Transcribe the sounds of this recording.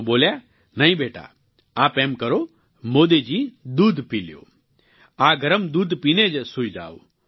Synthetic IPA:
boːlja | nɐĩbeːʈa̰ː | aːpeːmkɐɾoː | moːd̪ed͡ʒiːd̪uːd̪piːljo̰ː | aːɡʱɐɾəmd̪uːd̪piːned͡ʒsʊid͡ʒa̰ːo̰

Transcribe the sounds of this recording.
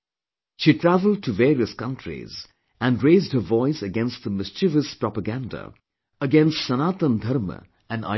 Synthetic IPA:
ʃiːʈʰɾævəl̩ˠd̚ʈʰuveːɾiəskʌ̃nʈʰɾḭz | æ̃nɾeɪzdhəvɔɪsəɡɛ̃nst̚ðəmɪst͡ʃivəspɹɔpəɡæ̃nda̰ | əɡɛ̃nstsənaːt̪ə̃nd̪ʱʌɾmə̰ | æ̃na̰

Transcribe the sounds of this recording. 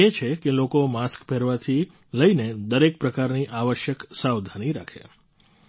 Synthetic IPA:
et͡ʃʰekelokomaskpeɾʋat̪ʰi | ləined̪əɾek̚pɾəkaɾniʔaʋəʃjəksawd̪ʱaniɾakʰḛ

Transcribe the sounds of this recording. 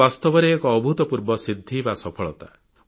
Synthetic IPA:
ast̪ɔbɔɾeːkɔːbʱut̪ɔpuɾbɔsid̪ʱːibasɔpʰɔɭɔt̪a

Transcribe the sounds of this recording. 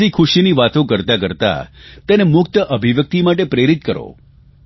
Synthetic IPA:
ikʰʊʃiniʋat̪õkəɾt̪ak̬əɾt̪a̰t̪enemʊk̚t̪əʔəbʱiʋjək̚t̪imaʈepɾeɾit̪kəɾo̰

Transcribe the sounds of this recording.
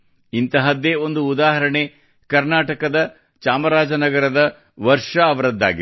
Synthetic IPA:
int̪ɐɦɐd̪eːo̞nd̪uːd̪aːɦɐɾɐɳe | kɐɾnaːʈɐkɐd̪ɐ | t͡ʃaːmɐɾaːd͡ʒɐnɐɡɐɾɐd̪ɐ | ʋɐɾʂɐɐʋɐɾɐd̪ːa̰ːɡi

